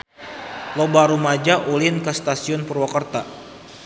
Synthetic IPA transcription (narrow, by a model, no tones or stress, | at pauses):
lobaɾumad͡ʒaʔulɪnkəst̪asiʊnpurwakərt̪a